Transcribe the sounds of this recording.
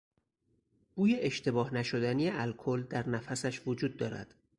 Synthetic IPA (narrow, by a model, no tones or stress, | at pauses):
ɡ̥uːjeʔeʃt̪ʰe̞bɒːhnæʃo̞d̪ænijeʔælkʰold̪æɾnæfæsæʃvod͡ʒuːd̪̚ːɒːɾæ̰d̪̥